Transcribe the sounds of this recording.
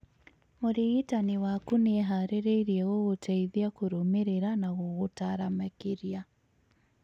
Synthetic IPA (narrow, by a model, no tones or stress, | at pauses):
moɾiɣitaniwakunɛɦaɾeɾeiɾiɛɣoɣotʰɛiðiakoɾomeɾeɾanaɣoɣotaɾamakeɾia